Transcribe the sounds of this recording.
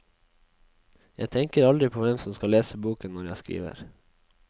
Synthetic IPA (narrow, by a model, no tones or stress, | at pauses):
jæɪt̪ʰɛŋkəɾɑld̪ɾɪpʰoːʋɛmsɔmskɑleːsəbuːkənɔɾjæɪskɾḭːʋə̰ɾ